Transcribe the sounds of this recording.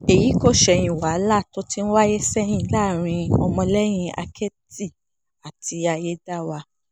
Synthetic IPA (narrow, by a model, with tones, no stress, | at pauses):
e˨ji˨˦ko˦˨ʃɛ˧j̃ĩ˨wa˨˦la˦˨to˦ti˦n̩˦wa˦je˦sɛ˦j̃ĩ˦˨˦la˦˨ɾ̃ĩ˧ɔ˧mɔ̃˧lɛ˦j̃ĩ˧˦a̰˧kʰɛ˦ti˦˨ | a˨tʰi˧a˧je˦da˦˨wa˧